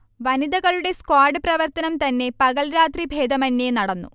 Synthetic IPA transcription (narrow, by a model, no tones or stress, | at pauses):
ʋɐnid̪ɐɣɐɭuɽe̞skwaːɖɨprɐʋɐrt̪ɐnɐmt̪ɐnːe̞pɐɣɐɭɾaːt̪ribʱe̞ːd̪ɐmɐnːenɐɽɐnːṵ